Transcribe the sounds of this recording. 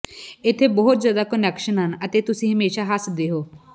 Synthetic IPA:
ɪt̪ʰːebɔɦʊt̪zjaːd̪akənɛkʃənɦənət̪et̪ʊsĩːɦəmeːʃaːɦasd̪eɦoː

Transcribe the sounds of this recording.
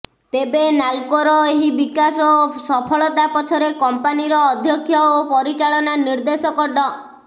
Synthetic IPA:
t̪ebenalkɔɾɔeɦibikasɔosɔpʰɔɭɔt̪apɔt̪ʰɔɾekɔmpaniɾɔːd̪ʱjɔkʰːjɔopɔɾit͡ʃaɭɔnaniɾd̪esɔkɔɖɔ

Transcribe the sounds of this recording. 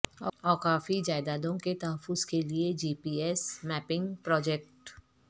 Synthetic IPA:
ɔːɔːɾkaːfid͡ʒaːɪd̪aːd̪õket̪ɐɦəfːʊzkelied͡ʒiːpiːɛsmɛːpɪ̃ŋɡpɾɔːd͡ʒɛk̚ʈ

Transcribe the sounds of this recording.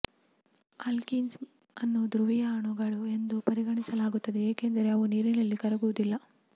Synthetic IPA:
ɐlkins | ɐnːud̪ɾuʋijɐːɳuɡɐɭue̞nd̪upɐɾiɡɐɳisɐlaːɡut̪ːɐd̪eeːkend̪ɐɾe̞ɐʋuniːɾinɐlːikɐɾɐɡuʋud̪ilːɐ

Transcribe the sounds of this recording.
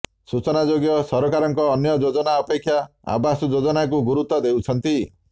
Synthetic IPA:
sut͡ʃɔnad͡ʒoɡjɔsɔɾɔkaɾɔŋkɔːnjɔd͡ʒod͡ʒɔnaɔpekʰːjaa̰basɔd͡ʒod͡ʒɔnak̬uɡuɾut̪ːɔd̪ewt͡ʃʰɔnt̪i

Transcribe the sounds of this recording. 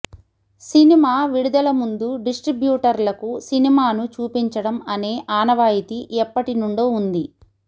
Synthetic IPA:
sinimaːʋiɽud̪ɐlɐmund̪uɖisʈɾibjuːʈɐɾlɐkusinimaːnut͡ʃuːpiɲt͡ʃɐɽɐmɐne̞ːʔaːnɐʋaːjit̪iʔɛpːɐʈinuɳɖoːund̪i

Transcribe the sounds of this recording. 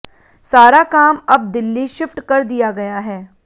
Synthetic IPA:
saːɾakaːmɐb̚d̪ɪlːiʃɪfʈkɐɾd̪ijaɡɐjaɦɛː

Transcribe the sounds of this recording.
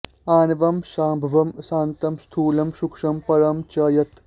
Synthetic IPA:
aːnɐʋɐmʃaːmbʱɐʋɐmsaːnt̪ɐmst̪ʰuːlɐmʃukʂɐmpɐɾɐmt͡ʃɐːjɐt̪

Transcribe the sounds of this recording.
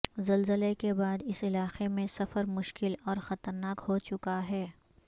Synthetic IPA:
zɐlzəlekebaːd̪ɪsɪlaːqemẽsɐfəɾmʊʃkɪlɔːɾxɐt̪əɾnaːkhot͡ʃʊkaɦɛː

